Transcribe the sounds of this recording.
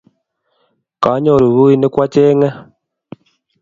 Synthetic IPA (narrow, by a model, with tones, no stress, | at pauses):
ka˨˦ɲo˨ɾu˨βu˦i˦ne˦kwa˦t͡ʃe˦ŋa˦